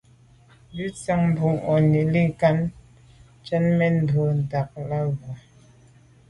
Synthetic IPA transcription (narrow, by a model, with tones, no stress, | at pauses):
bʉ˦t͡sa˦ŋm˨bu˨ŋɔ˨ni˨li˦ka˦n | t͡ʃɛ˦nmɛ˦n̩˨do˨n̩˨da˨k̚la˦ɣɔ˨